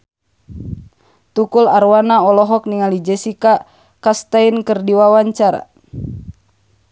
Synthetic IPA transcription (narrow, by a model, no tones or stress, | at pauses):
t̪ukulaɾwanaɔlɔɦɔk̚niŋalid͡ʒɛsika | kast̪ainkɨrdiwawaɲt͡ʃaɾa̰